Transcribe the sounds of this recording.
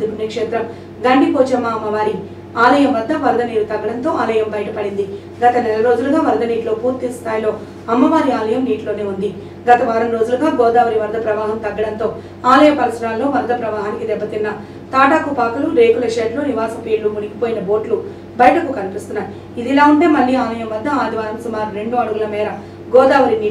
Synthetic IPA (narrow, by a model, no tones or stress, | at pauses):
d̪ukunːɐkʂeːt̪ɾɐm | ɡɐɳɖipoːd͡ʒɐmːaːmːɐʋaːɾi | aːlɐjɐmʋɐd̪ːɐʋɐɾd̪ʱɐniːɾut̪ɐɡːɐɽɐnt̪o̞ːaːlɐjɐmbɐjʈɐpɐɽind̪i | ɡɐt̪ɐnɛlɐɾo̞ːd͡ʒuluɡaːʋɐɾd̪ɐniːʈlo̞ːpuːɾt̪ist̪ʰaːjlo̞ː | ɐmːɐʋaːɾiaːlɐjɐmniːʈlo̞ːne̞ːund̪i | ɡɐt̪ɐʋaːɾɐmɾo̞ːd͡ʒuluɡaːɡɔːd̪aːʋɐɾiʋɐɾd̪ʱɐpɾɐʋaːɦɐmt̪ɐɡːɐɽɐnt̪o̞ː | aːlɐjɐpɐɾɐsɐɾaːllːo̞ːʋɐɾd̪ʱɐpɾɐʋaːɦaːnikid̪ɛbːɐt̪inːɐ | t̪aːʈaːkupaːkɐluɾe̞ːkulɐʃeːʈloːniʋaːsɐpiːɾlumuɽikipoːjinɐbo̞ːʈlu | bɐjɐʈɐkukɐnipist̪unːaːj | id̪ilaːuɳʈe̞ːmɐɭːiːaːlɐjɐmʋɐɾd̪ːɐaːd̪ʱiʋaːɾɐmsumaːɾuɾe̞ɳɖuɐɽuɡɐlɐmɛːɾɐ | ɡɔːd̪aːʋɐɾiniː